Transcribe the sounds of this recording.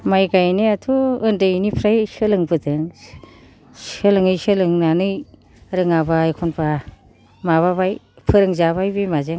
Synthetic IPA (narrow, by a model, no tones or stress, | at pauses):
majɡajneatʰuɯndɯjnipʰɾajsɯlɯŋbɯdɯŋ | sɯlɯŋɯjsɯlɯŋnanɯj | ɾɯŋabaːjkʰɔnpʰa | maβaβaj | pʰɯɾɯŋzaβajbɯjmazɯŋ